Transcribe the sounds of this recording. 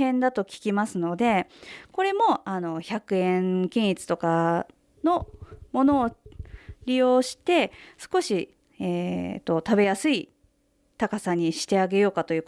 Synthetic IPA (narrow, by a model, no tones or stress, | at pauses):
ẽ̞nd̪at̪o̞kʲi̥kʲimasɨno̞d̪e̞ko̞ɾe̞mo̞ano̞çakɯ̟ẽ̞ŋkʲĩɰ̃ʲit͡sɨ̥t̪o̞ka | no̞mo̞no̞ː | ɾʲijo̞ːɕi̥t̪e̞sɨ̥ko̞ɕi | eːt̪ːo̞t̪abe̞jasɨi | t̪akasaɲ̟iɕi̥t̪e̞aɡe̞jo̞ːkat̪o̞jiɯ̟ː